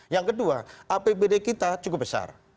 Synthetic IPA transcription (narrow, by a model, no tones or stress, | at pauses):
jaŋkəduaʔapebedekit̪ad͡ʒukʊp̚bəsa̰r